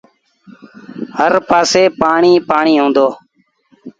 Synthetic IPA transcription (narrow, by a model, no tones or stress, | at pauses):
həɾpaːseːpaːɳiːpaːɳiːɦõːnd̪oː